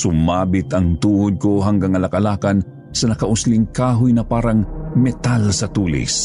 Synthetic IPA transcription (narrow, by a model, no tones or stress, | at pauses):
sʊmaːbɪt̪ɐŋt̪uːʊd̪̚koɦaŋɡaŋɐlɐkɐlaːkɐn | sɐnɐkɐʔʊslɪŋkaːɦʊjnɐpaːɾɐŋmɛt̪alsɐt̪uːlɪ̰s